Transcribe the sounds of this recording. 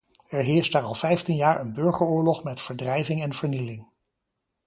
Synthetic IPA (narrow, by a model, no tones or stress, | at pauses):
ɛɹɦɪːɹstaːɹɑlˠfɛjftinjaːɹənbɵɹχəɹʊːɹlɔχmɛtfəɹdrɛjvɪŋɛnv̥əɹnilɪŋ